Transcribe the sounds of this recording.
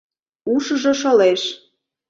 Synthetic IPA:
uʃɤ̆ʒɤ̆ʃɤ̆leʃ

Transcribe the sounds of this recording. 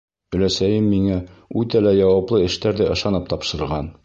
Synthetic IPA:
ɵ̆læsæjɘmːiŋæʉt̪ælæjɒwɑplˠɤɘ̆ʃt̪æɾd̪æʔɤ̆ʃɑnɤp̚t̪ɒpʃɤ̆ɾɤ̆ʁɑn

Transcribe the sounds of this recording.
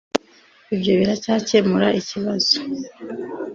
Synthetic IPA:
ibɟoːβiɾacaːcemuɾaʔiciβazo̥

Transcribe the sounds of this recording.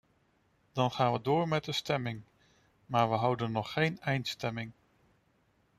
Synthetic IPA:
d̥ɑnχaːnʋədʊːɹmɛt̚dəstɛmɪŋ | maːɹʋəɦɑwdənːɔχːejnɛjntstɛmɪŋ

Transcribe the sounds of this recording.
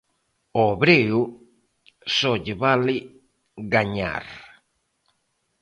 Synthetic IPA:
oβɾeu | soʎeβali | ɡaɲa̰ɾ

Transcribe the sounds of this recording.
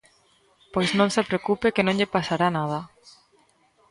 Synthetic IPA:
pojsnõŋsepɾeokupekenõŋʎepasaɾanað̞a

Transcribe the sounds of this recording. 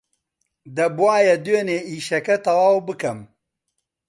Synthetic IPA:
d̪ɐbuwaːjɐd̪weːneːiːʃɐkɐt̪ɐwaːwbɨkɐm

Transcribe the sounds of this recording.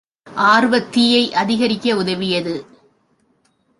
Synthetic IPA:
ʔaːɾɯʋɐt̪ːɪjɐɪʔɐðɪɣɐɾɪkʲːɐʊðɐʋɪjɐðɯ

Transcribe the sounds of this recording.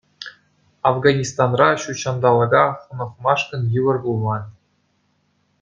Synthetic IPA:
ɑvɡɑnʲist̪ɑnrɑɕuɕɑnd̪ɑlˠɤ̆ɡɑχɤ̆nɤ̆χmɑʂkɤ̆njɯʋɤ̆rbulˠːɑnʲ

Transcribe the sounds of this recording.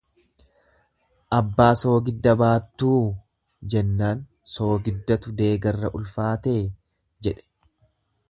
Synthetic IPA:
ʔɐbːaːso̞ːɡɪd̪ːɐbaːt̪ːuː | d͡ʒɛnːaːn | so̞ːɡɪd̪ːɐt̪ʊd̪e̞ːɡɐrːɐʔʊlfaːt̪eː | d͡ʒɛᶑɛ̥

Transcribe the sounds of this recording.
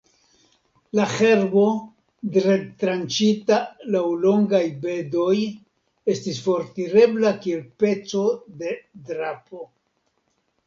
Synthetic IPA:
laxe̞ɾbo̞ | dɾetɾant͡ʃitalawlo̞ŋɡajbe̞do̞j | e̞stisfo̞ɾtiɾe̞blakie̞lpe̞t͡so̞de̞dɾapo̞

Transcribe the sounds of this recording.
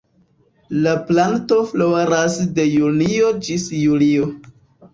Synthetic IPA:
laplanto̞floɾasde̞junio̞d͡ʒisjulio

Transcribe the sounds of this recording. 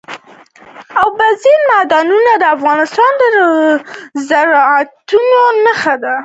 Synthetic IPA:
awbazilmad̪ɑnunad̪əafɣɑnɪst̪ɑnd̪əə | zaɾɑat̪unonəxad̪a

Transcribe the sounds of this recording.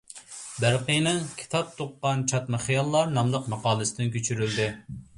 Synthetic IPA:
bæɾqəjnɨŋkʲʰi̥t̪ʰɑp̚t̪ʰːoqːɑnt͡ʃʰɑt̪mɨχijɑlˠːɑɾnɑmlˠəqmɑqɑːlˠɨsɪd̪ɪnkʲʰøt͡ʃʰyɾyld̪ɪ

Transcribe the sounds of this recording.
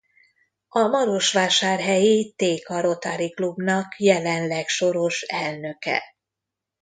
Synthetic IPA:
ɒmɒɾo̞ʃʋaːʃaːrɦɛjit̪eːkɒɾo̞t̪aɾiklubnɒkjɛlɛnlɛkʃo̞ɾo̞ʃɛlnø̞kɛ̰

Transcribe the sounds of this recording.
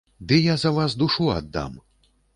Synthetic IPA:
d̪ɨjazɐvasd̪uʂua̰d̪ːa̰m

